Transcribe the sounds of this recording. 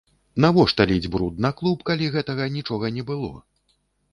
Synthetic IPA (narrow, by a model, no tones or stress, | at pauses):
navɔʂt̪ɐlʲid͡zʲbɾud̪nɐklˠupkalʲiɣɛt̪ɐɣɐnʲit͡ʂɔɣɐnʲɛbɨlˠɔ̰